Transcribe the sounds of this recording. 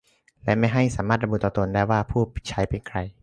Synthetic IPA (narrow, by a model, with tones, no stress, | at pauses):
lɛ˦˥ʔma˥˩jɦa˥˩jsaː˩˦maː˥˩ɾa˧bu˨˩t̪ːɔː˨˧t̪o˧ndaː˥˩jwaː˥˩pʰuː˥˩pt͡ɕʰa˦˥jpe˧nkʰɾa˧j